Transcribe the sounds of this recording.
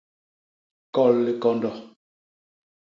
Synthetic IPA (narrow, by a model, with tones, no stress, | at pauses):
kɔ˦˨lːi˦kɔ˦ndɔ˨